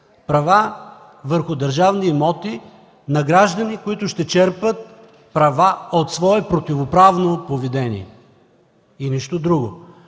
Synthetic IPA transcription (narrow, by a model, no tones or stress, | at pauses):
pɾɐva | vəɾxʊd̪ɐɾʒavnimɔt̪i | nɐɡɾaʒd̪ɐnikoit̪ʊʃt̪ɛt͡ʃɛɾpət̪̚ | pɾɐvaot̪svɔɛpɾot̪ivopɾavnopovid̪ɛnḭɛ | iniʃt̪od̪ɾuɡo